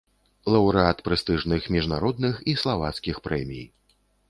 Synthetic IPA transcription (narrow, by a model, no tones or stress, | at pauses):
lˠɐwɾɨat̪pɾɛst̪ɨʐnɨxmʲiʐnaɾɔd̪nɨxislˠavat̪skʲixpɾɛmʲḭj